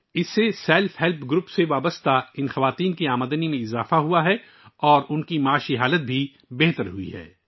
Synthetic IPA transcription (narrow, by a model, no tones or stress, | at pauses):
ɪsːesɛːlfɦɛlpʰɡɾʊpseʋaːbəst̪aɪnxɐʋaːt̪iːnkiaːməd̪ənimẽɪzaːfaɦuaɦɛ | ɔːɾʊnkimaːʃiɦaːlət̪̚bʱi | bɛɦt̪əɾɦuḭɦɛ̰ː